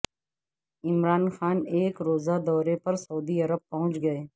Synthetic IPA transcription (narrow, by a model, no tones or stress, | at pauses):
ɪmɾaːnxaːneːkɾoːzad̪ɔːɾepɐɾsɐuːd̪iɐɾəb̚pɐɦʊ̃t͡ʃɡɐeː